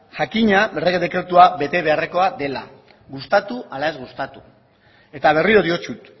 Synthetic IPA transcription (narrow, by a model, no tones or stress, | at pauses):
ʝakiɲabereɣeðe̞kɾe̞t̪uaβe̞t̪e̞β̞e̞are̞ko̞ad̪e̞la | ɣust̪at̪uʔalae̞zɣust̪at̪u | e̞t̪aβ̞e̞riɾoðio̞t͡ʃut̪